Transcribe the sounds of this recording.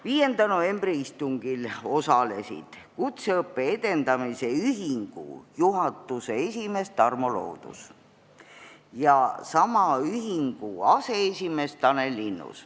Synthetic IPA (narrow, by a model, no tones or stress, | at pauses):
viːje̞nd̪̥ɑno̞ve̞mbriist̪uŋɡ̥ilo̞sɑle̞sḭd̪̥ | kut̪seɤpːe̞ed̪̥e̞nd̪̥ɑmise̞yɦiŋɡ̥ṵjuɦɑt̪ːuse̞esʲime̞st̪ɑrmo̞lo̞̰ːd̪̥ṵs | jɑsɑmɑyɦiŋɡ̥uɑse̞esʲime̞st̪ɑne̞lːinːṵs